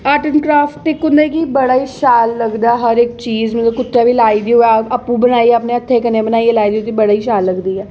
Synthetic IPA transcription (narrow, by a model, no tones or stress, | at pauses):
aːʈənkɾaːfʈʈɪkːʊ̃nd̪aikibəɽaːiːʃaːlːəɡd̪aːɦəɾɪk̚t͡ʃiːzmət̪ləbkʊt̪ːaːbiːlaːiːd̪iːoɛəpːũbənaːiɛəpneət̪ʰːeːkəneːbənaːielaːid̪iot̪ibəɽaːiːʃaːlːəɡd̪iːɛː